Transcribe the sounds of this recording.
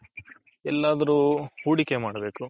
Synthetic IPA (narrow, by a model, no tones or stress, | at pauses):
ɛlːaːd̪ɐɾuːhuːɽikemaːɽɐbe̞ːku